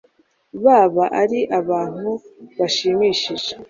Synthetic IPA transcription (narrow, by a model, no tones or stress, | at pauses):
βaːβaʔaɾiʔaβaːn̥huβaʃiːmiːʃiʒe